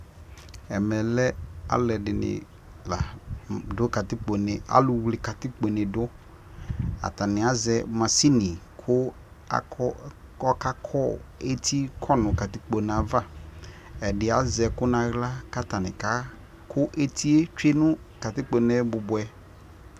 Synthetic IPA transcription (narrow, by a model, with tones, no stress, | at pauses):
ɛ˨mɛ̃˨lɛ˦a̰˦lɛ˨dɪ˨nɪ̰˨ | la˨dʊ˦ka˨t̪ɪ˦k͡po˨nɪ˨a̰˦lʊ˨wlɪ˨ka˨t̪ɪ˦k͡po˨nɪ̃˨dʊ˦ | a̰˨t̪a˨nɪ̃˨a˦zɛ˨mã˨si˦nĩ˨kʰʊ˦ | a˨ɔ˦ɔ˦ka˦kʰɔ˦e˦t̪ʰi˦kʰɔ˦nʊ̃˨ka˨t̪ɪ˦k͡po˨n˨a˨va˦ | ɛ˨dɪ˨a˨zɛ˨kʊ˦nã˨ɣla˦ka˦t̪a˨nɪ̃˨ka˦ | kʰʊ˦ʔe˦t̪ʰi˦e˦t͡ʃᶣe˦nʊ̃˦ | ka˨t̪ɪ˦k͡po˨nɛ̃˦bʊ˨bʊ˨ɛ˦